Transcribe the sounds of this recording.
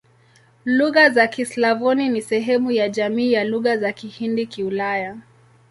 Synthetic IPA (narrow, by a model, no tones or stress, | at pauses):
luɣazakislavɔninisɛɦɛmujaʄamiːjaluɣazakihindikiulaja